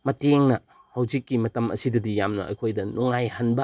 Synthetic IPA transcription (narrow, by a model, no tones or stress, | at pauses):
mɐteŋnɐ | hawd͡ʒikːimɐtɐmɐ̰sidɐdijamnɐ̰ʔɐ̰jkʰojdɐnuŋajhɐnbɐ